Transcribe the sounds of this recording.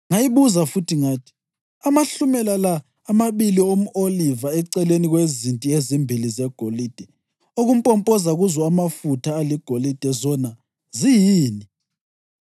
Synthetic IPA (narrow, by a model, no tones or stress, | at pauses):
ŋajiβuzafutʰiŋaːtʰi̥ | amaɬumɛlalaː | maβiliom̩ʔolivaɛǀɛleniɣwezintʼiezimbʱilizɛɡ̥ʱoliːd̥ʱɛ | oɣumpʼɔmpʼɔzaɣuzɔamafutʰaːliɡ̥ʱolid̥ʱɛzɔna | zijiːni